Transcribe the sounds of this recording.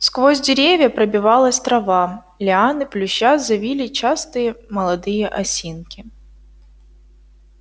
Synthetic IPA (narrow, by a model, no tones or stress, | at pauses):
skvozʲdʲɪɾʲevʲjəpɾəbʲɪvalˠəsʲt̪ɾɐva | lʲɪanɨplʲʉɕːazɐvʲilʲɪt͡ɕast̪ɨjəmɐlˠɐd̪ɨjəʔɐsʲinkʲɪ